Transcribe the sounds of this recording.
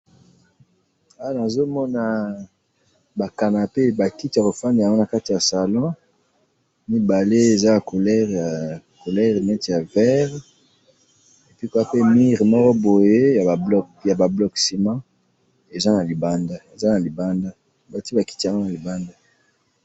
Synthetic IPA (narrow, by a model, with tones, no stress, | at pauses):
a˦˨na˨zo˦mɔ˦na˦ | ba˨ka˨na˨pe˦ba˨ki˦ti˨ja˨ko˨fa˦nda˨ja˨ŋɡo˦na˨ka˦ti˨ja˨sa˨lɔ̃˦ | mi˦ba˨le˦e˨za˦ja˨ko˨lɛ˦ʁja˨ko˨lɛ˦ʁnɛ˦ti˨a˨vɛ˦ʁ | e˨pi˦ko˦a˦pe˦mi˦ʁmɔ˦kɔ˦bo˨je˦ja˨a˨bl | ja˨ba˨blɔ˨ksi˨mã˦ | e˨za˦na˨li˨ba˦nda˦e˨za˦na˨li˨ba˦nda˦˨ | ba˨ti˦ba˨ki˦ti˨a˨ŋɡo˦na˨li˨ba˦nda˦